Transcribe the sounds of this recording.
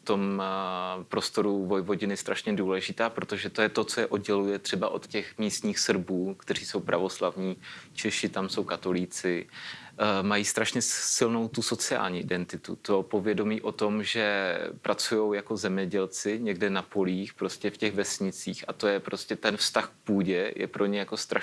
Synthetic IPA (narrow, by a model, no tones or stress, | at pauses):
ft̪o̞m | pɾo̞st̪o̞ɾuvo̞jvo̞ɟɪnɪst̪ɾaʃɲɛduːlɛʒɪt̪aːpɾo̞t̪oʒɛt̪ojɛt̪o̞t͡sojɛʔodɟɛlujɛt̪r̝̥ɛbaʔo̞t̪cɛxmiːst̪ɲiːxsr̩buːkt̪ɛr̝iːso̞wpɾʔa̰vo̞slavɲiːt͡ʃɛʃɪt̪amso̞wkat̪o̞liːt͡sɪ | majiːst̪ɾaʃɲɛsɪlno̞wt̪uso̞t͡sɪa̰ːlɲiʔɪdɛnt̪ɪt̪ṵt̪o̞po̞vjɛdo̞miːʔo̞t̪o̞mʒɛpɾat͡sujo̞wjako̞zɛmɲɛɟɛlt͡sɪɲɛɡdɛnapo̞liːxpɾo̞scɛfcɛɣvɛsɲɪt͡siːxʔat̪o̞jɛpɾo̞scɛt̪ɛnfst̪axk̚puːɟɛjʔɛ̰pɾʔo̞ɲɛjako̞st̪ɾa